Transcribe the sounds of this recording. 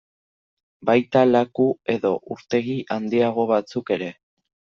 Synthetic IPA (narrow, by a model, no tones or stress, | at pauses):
bajt̪alakue̞ðo̞ʔuɾt̪e̞ɣ̞iʔand̪iaɣ̞o̞βat͡suke̞ɾe̞